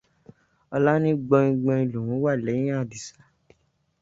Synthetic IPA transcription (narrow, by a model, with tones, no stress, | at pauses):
ɔ˧la˦nĩ˦ɡ͡bɔ̃˧ĩ˧ɡ͡bɔ̃˧i˧lũ˨ɾũ˨˦wa˦˨lɛ˨˦ĩ˦ã˦˨di˨sa˨˦